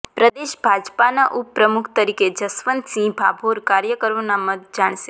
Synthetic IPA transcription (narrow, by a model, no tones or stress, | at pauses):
pɾəd̪eʃbʱad͡ʒpanaʔupːɾəmukʰt̪əɾiked͡ʒəsʋənt̪sĩbʱabʱoɾkaɾjəkəɾʋonaməd̪d͡ʒaɳ̃ʃe